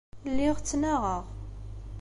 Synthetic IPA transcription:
lːɪʁt͡sːnaʁəʁ

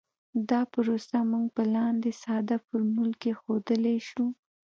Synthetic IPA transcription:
d̪ɑpəɾosamuŋɡ̚pəlɑnd̪esɑd̪afəɾmulkexod̪əleʃu

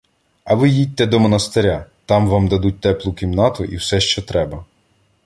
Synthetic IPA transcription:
ɐʋɪjid̚ʲt̪ɛd̪ɔmɔnɐst̪eɾʲat̪ɑmʋɑmd̪ɐd̪ut̚ʲt̪ɛplˠʊkʲimnɑt̪ʊʔiwsɛʃt͡ʃɔt̪ɾɛbɐ

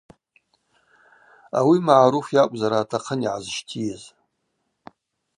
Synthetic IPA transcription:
a̰wimaʕaɾufjakʷʼzaɾaːtʰaqʰəniʕazʃtʰijez

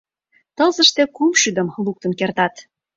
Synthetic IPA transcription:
t̪ɤ̆zɤ̆ʃt̪e̽kumʃyd̪ə̆mluk̚t̪ə̆nkert̪ɑt̪

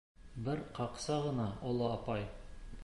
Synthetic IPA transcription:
bɘɾqɑqsɑʁɤ̆nɑŏlˠɤɑpɑj

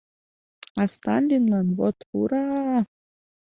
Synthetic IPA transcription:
ɑst̪ɑnʲlʲinlɑnβot̪huɾɑ

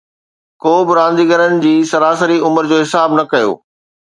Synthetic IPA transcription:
koːbɪɾãːn̆d̪iːɡəɾənɪ̆d͡ʑiːsɐɾaːsəɾiʊməɾd͡ʑoːɦɪsaːbnɐkɐjo̰ː

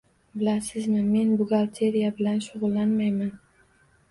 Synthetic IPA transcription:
bɪlasɪznɪme̞nbʊɡalˠt̪ʰe̞ɾijabɪlanʃʊʁʊlˠːanmajman

